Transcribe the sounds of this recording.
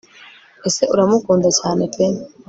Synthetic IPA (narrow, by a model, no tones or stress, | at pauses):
e̞se̞uɾamukuːndacaːne̞pʰen